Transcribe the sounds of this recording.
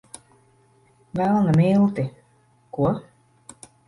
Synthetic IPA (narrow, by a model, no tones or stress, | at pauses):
vælˠnamilˠt̪i | kuɔ